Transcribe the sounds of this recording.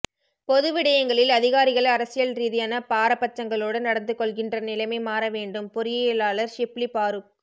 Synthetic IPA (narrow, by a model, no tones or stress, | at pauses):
pɔðɯʋɪɽɐjɐŋɡɐɭɪlɐðɪɣaːɾɪɣɐɭɐɾɐsɪjɐlɾiːðɪjɐːnɐpaːɾɐpːɐt͡ʃːɐŋɡɐɭoːɽɐnɐɽɐnd̪ɯkːɔɭɣɪndrɐnɪlɐɪmɐɪmaːɾɐʋeːɳɖɯmpɔɾɪjɐjɪlaːɭɐɾʃɪplipaːɾɯk̚